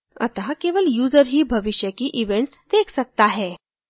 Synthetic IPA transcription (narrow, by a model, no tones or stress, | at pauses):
ə̰t̪akeʋəljuːd͡zəɾɦiːbʱəʋiɕjəkiːʔiʋẽɳʈsd̪ekʰsək̚t̪aɦɛ